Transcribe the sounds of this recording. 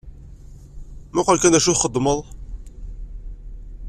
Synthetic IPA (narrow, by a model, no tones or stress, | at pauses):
mʊqəlkænd̪æʃuχəd̪ˤːməðˤ